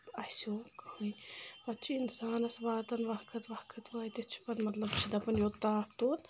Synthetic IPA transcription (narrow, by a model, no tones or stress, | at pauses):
ɐsoːkhɨnʲpɐt̪̚t͡ʃʰiinsaːnɐsʋaːt̪ɐnʋɐhkʰɐt̪ʋɐhkʰɐt̪ʰʋaːt̪ʲet͡ʃʰi̥pɐnmɐt̪lɐbt͡ʃʰid̪ɐpɐnjot̪aːpt̪oːt̪